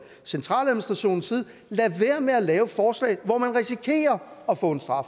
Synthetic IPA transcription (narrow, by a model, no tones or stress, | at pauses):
sent͡sʰʁɑ̈ːlæðmnisd̥ʁɑɕo̝̰ːn̩siːð̞̩ˠ | læʋeɐmeælɛːʊəfɒːslɛ̰ɪʋɒmænʁisikʰe̝̰ːɐɒ̽fɔ̰̽ːe̝nsd̥ʁɑ̈f